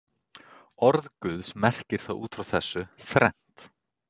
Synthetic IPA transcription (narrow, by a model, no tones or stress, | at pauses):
ɔɾðkʏðsmɛr̥cɪɾ̥θa̰ðṵːt̪fɾawθɛsːʏθɾɛn̥t̪